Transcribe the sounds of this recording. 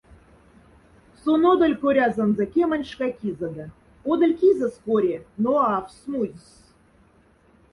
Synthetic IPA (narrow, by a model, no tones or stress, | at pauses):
sonod̪ɤ̆lʲkoɾʲɑzə̆nzɤ̆kʲemə̆nʲʃkɑkʲizə̆d̪ɑ | od̪ə̆lʲkʲizə̆skoɾʲenoɑfsmujʲs